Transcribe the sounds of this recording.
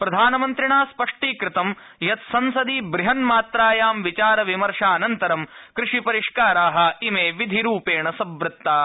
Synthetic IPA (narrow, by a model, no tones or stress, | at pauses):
pɾɐd̪ʱaːnɐmɐnt̪ɾiɳaːspɐʂʈiːkɾɪt̪ɐm | jɐt̪sɐnsɐd̪iːbɾiɦɐnmaːt̪ɾaːjaːmʋit͡ʃaːɾɐʋimɐɾʂaːnɐnt̪ɐɾɐmkɾɪʂipɐɾiʂkaːɾaːɦɐ̆imeːʋid̪ʱiɾuːpeːɳɐsɐbɾɪt̪ːaː